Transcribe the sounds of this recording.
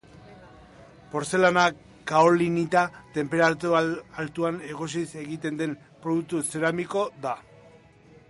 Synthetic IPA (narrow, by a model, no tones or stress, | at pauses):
po̞ɾse̞lana | kaolinit̪at̪e̞mpe̞ɾat̪ualt̪uane̞ɣo̞s̬ise̞ɣit̪e̞nd̪e̞m | pɾo̞ðuk̚t̪use̞ɾamiko̞ða